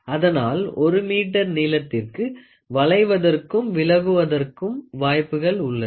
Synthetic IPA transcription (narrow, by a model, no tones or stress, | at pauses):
ɐðɐnaːlɔɾɯmiːʈːɐɾniːlɐt̪ːɪrkɯ | ʋɐɭɐɪʋɐðɐrkɯmʋɪlɐɣɯʋɐðɐrkɯmʋaːjpːɯɣɐɭʊɭːɐ